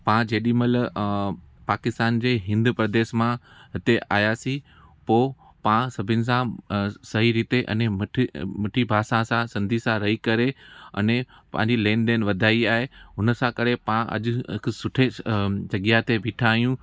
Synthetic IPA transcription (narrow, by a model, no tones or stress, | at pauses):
pãd͡ʑeːɗimɐl | paːkɪst̪aːnd͡ʑeːɦɪ̃nd̪pɾɐd̪eːʃmãɦɪt̪eʔa̰ːjaːsĩ | poː | pãsɐbʱɪnɪ̆sãsɐɦiɾiːt̪eʔɐ̰nẽmɪʈʰmɐʈʰibʱaːsãsãsɐ̃nd̪ʱisãɾɐɦikɐɾeɐ̰nẽ | pɐ̃ɦɪ̃ɲd͡ʑileːnd̪eːnʋɐd̪ʱaːiaːɦeɦʊnəsãkɐɾepãʔɐ̰ʄʊɦɪksʊʈʰed͡ʑɐɠjaɦt̪ebiːʈʰaːijũ